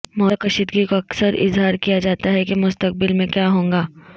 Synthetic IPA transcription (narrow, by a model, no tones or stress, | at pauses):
mɔːqɐʃid̪ɡikoɐksəɾɪ̰zɦaːɾkijad͡ʒaːt̪aɦɛkemʊst̪əq̚bɪlmẽkjaːɦõːŋɡaː